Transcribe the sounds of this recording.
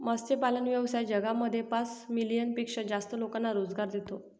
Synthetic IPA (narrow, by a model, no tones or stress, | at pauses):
məst͡ɕepalənʋjəʋsajd͡ʑəɡaməd̪ʱːjepasmilijənpikʂəd͡zast̪əlokanːaɾod͡zɡaɾd̪it̪o